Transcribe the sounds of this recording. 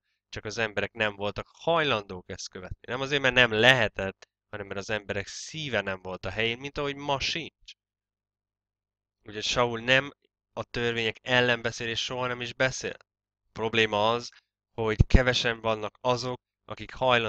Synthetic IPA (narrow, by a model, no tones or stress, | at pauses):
t͡ʃɒkɒzɛmbɛɾɛknɛɱvo̞lt̪ɒkhɒjlɒnd̪oːkɛst̪køvɛt̪nḭnɛmɒzeːɾmɛrnɛmlɛɦɛt̪ɛt̪ː | hɒnɛmːɛɾɒzɛmbɛɾɛksiːvɛnɛɱvo̞lt̪ɒɦɛjeːnmint̪ɒɦo̞ɟmɒʃint͡ʃ | uːcʰho̞cʃɒulnɛm | ɒt̪ørveːɲɛkɛlːɛmbɛseːleːʃʃoɦɒnɛmiʒbɛsḛːl | pro̞bleːmɒɒz | ho̞ɟkɛvɛʃɛmvɒnːɒkɒzo̞k̚ | ɒ̰kikhɒjl